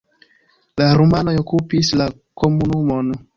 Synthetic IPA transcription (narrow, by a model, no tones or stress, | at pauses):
laɾumanojokupisla | komunumon